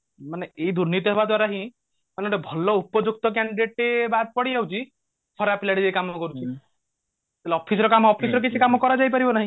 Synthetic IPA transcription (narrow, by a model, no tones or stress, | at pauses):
maneeɦid̪uɾnit̪̬jɔɦebad̪waɾaɦĩ | maneoʈebʱɔlɔupɔd͡ʒuk̚t̪ɔk̬aɳɖiɖeʈebat̪̚pɔɽid͡ʒaut͡ʃʰi | pʰɔɾapilaɽid̪eikamɔɔkɔɾut͡ʃʰi | t̪elɔpʰis̬ɔɾɔkamɔɔpʰisɔɾɔk̬it͡ʃʰikamɔkɔɾad͡ʒajp̬aɾibɔnaɦĩ